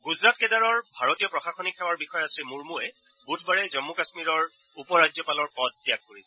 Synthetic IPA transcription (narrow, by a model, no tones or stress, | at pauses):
ɡuzɹatkɛdaɹɔɹbʱaɹotijɔpɹɔxaxɔnikʰɛwaɹbixɔjɔasimuɹmuɛ | butʰbaɹɛzɔmːukasmiɹɔɹ | upɔɹad͡ʒjɔpalɔɹpɔd̚ːijak̚ːoɹisɛ